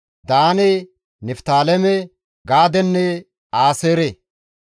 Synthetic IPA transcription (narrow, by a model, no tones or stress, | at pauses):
d̪aːnɛ | nɛft̪aːlɛmɛ | ɡaːd̪ɛnːɛ | aːseːɾe